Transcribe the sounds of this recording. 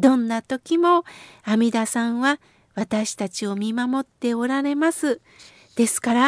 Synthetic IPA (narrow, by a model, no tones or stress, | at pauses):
d̪̥õ̞nːat̪o̞kʲimo̞amʲid̪asãɰ̃βa | βat̪aɕi̥t̪at͡ɕio̞mʲimamo̞t̪ːe̞o̞ɾaɾe̞masɨ | d̪̥e̞sɨ̥kaɾa